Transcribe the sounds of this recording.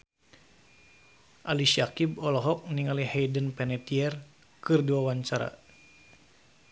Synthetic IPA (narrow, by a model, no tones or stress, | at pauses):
ʔalisakibɔlɔɦɔk̚niŋalihɛjdənpɛnɛt̪iɛr | kɨrduawaɲt͡ʃaɾa̰